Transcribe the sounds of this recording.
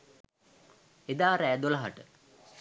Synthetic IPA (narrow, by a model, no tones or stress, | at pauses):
ed̪aːɾæːd̪olɐɦaʈə